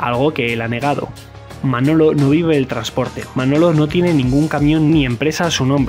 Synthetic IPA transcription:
alɣ̞o̞ke̞elane̞ɣ̞aðo̞̰ | mano̞lo̞no̞β̞iβe̞ːlt̪ɾanspo̞ɾt̪e̞mano̞lo̞no̞t̪je̞ne̞nĩŋɡuŋkamjõ̞nnie̞mpɾe̞sasunõ̞mbɾe

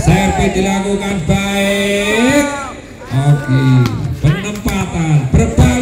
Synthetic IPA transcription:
sɛrped̪ilakukanb̥aeɪk̚ | ʔokipənəmpat̪anpərb̥a

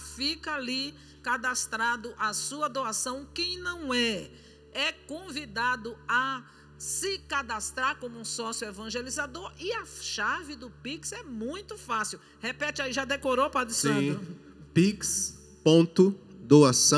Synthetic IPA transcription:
fikɐaali | kad̪ast̪ɾad̪ʊʔasuɐd̪oasɐ̃w̃kẽj̃nɐ̃w̃ɛ | ɛkõvid̪ad̪ʊa | sɪkad̪ast̪ɾaɾkõmʊũsɔsjuevɐ̃ʒelizad̪oɾiɐʃavɪd̪ʊpiksɛmũj̃t̪ʊfasiw | hepɛt͡ʃ̪ɪaiʒad̪ekoɾopɾɐd̪issã | piks | põt̪ʊd̪oasɐ̃

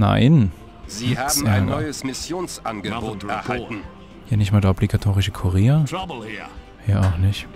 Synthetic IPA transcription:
na̰ɪn | ziːɛhaːm̩aanɔɪəsmɪsjoːnsʔanɡəboːtɛɐhaltn̩ | jaːnɪçtmaːdaʔɔbliɡatʰoːʁɪʃəkʰuʁeːɐb | jaːaʊxnɪçt

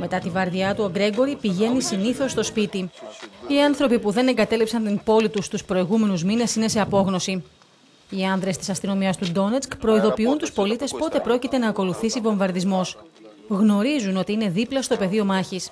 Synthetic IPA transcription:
me̞t̪ɐt̪ivɐɾðjɐt̪uoɡɾe̞ɡo̞ɾipiʝe̞nisiniθo̞sːt̪o̞spit̪iiɐnθɾo̞pipuðe̞ne̞ŋɡɐt̪e̞lipsɐnt̪impo̞lit̪ust̪uspɾo̞iɣume̞nuzmine̞sine̞se̞ɐpo̞ɣno̞si | iɐnðɾe̞st̪i̥sɐst̪ino̞miɐst̪ud̪o̞net͡skpɾo̞iðo̞piunt̪uspo̞lit̪e̞spo̞t̪e̞pɾo̞cit̪e̞nɐːko̞luθisivo̞ɱvɐɾðizmo̞s | ɣno̞ɾizuno̞t̪iine̞ðiplɐst̪o̞pe̞ðio̞mɐçis

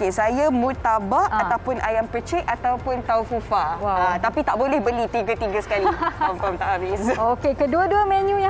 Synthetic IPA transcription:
kesajamut̪ːabaat̪awpʊnʔajampət͡ʃɛʔat̪awpʊnt̪aufufawat̪apit̪aʔbolɛhbəlit̪iɡət̪iɡəsə̥kaliɔmpamt̪aʔhabɪsokekəduəduəmɛ̃nũja

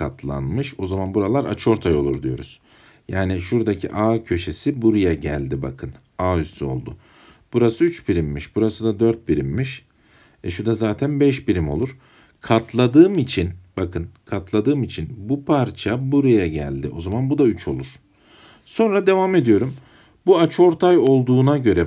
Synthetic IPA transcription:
kʰat̪ʰlˠa̰nmɯʃo̞zamanbuɾalˠaɾa̰t͡ʃʰɯo̞ɾt̪ʰajo̞lˠuɾd̪ijo̞̰ɾuz̥ | jaːniʃuɾd̪acʰḭʔaːcʰø̞ʃe̞sibuɾujaɟæ̰lʲd̪ibakʰɯn | aːysyo̞̰lˠd̪ʊ | b̥uɾasɯyt͡ʃbiɾimːiʃbuɾasɯd̪ad̪øɾt̪̚biɾimːiʃ | ɛʃud̪azaːt̪ʰænbɛʃbiɾimo̞̰lˠuɾ | kʰat̪ʰlˠad̪ɯːmit͡ʃʰinb̥akʰɯnkʰat̪lˠad̪ɯːmit͡ʃʰinbupʰaɾt͡ʃʰabuɾujaɟæ̰lʲd̪iʔo̞zamanbud̪ayt͡ʃʰo̞̰lˠuɾ̥ | so̞nɾad̪e̞vaːme̞d̪ijo̞ɾum | buat͡ʃʰo̞ɾt̪ʰajo̞lˠd̪uːnaɟø̞ɾɛ

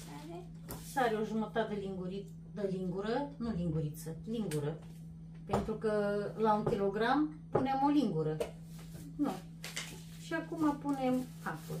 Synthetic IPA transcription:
e | saɾeoʒumət̪at̪əliŋɡuɾi | d̪əliŋɡuɾənuliŋɡuɾit̪səliŋɡuɾə | pe̞nt̪ɾukəlauŋkʲilo̞ɡɾam | punemoliŋɡuɾə | nu | ʃiakumapunemkapul

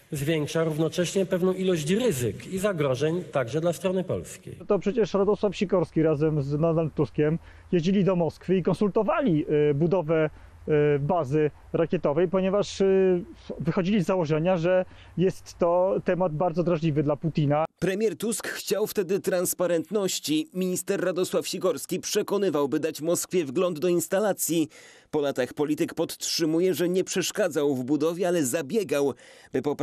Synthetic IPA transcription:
zvʲjɛŋkʂaɾuvnɔt͡ʂɛɕɲɛpɛvnɔ̃w̃ilɔɕt͡ɕɾɘzɘkizaɡɾɔʐɛɲt̪aɡʐɛd̪last̪ɾɔnɘpɔ̰lskʲḛjt̪ɔpʂɛt͡ɕɛʂɾad̪ɔswafɕikɔɾskʲiɾazɛmznɔd̪alt̪ːuskʲɛm | jeʑd͡ʑilʲid̪ɔmɔskfɘikɔnsult̪ɔvalʲibud̪ɔvɛ | bazɘ | ɾakʲjɛt̪ɔvɛjpɔɲɛvaʂ | ɔvɘxɔd͡ʑilʲizːawɔʐɛɲaʐɛ | jɛst̪ːɔt̪ɛmad̪̚baɾd̪zɔd̪ɾaʐlʲivɘd̪laput̪ʲinapɾɛmʲjɛɾt̪uskxt͡ɕawft̪ɛd̪ɘt̪ɾanspaɾɛnt̪nɔɕt͡ɕimʲiɲist̪ɛɾːad̪ɔswafɕiɡɔɾskʲipʂɛkɔnɘvawbɘd̪at͡ɕmɔskfʲjɛvɡlɔnd̪ːɔinst̪alat̪sʲji | pɔlat̪axpɔlʲit̪ɘkpɔt̪tʂɘmujɛʐɛɲɛpʂɛʂkad̪zawvbud̪ɔvʲjɛalɛzabʲjɛɡawb̥ɘpɔp

